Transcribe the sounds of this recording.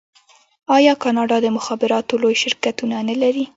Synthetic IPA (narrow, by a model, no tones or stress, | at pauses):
ɑjɑkɑnɑɖɑd̪əmʊxɑbɪɾɑt̪olojʃɪɾkat̪unanalaɾi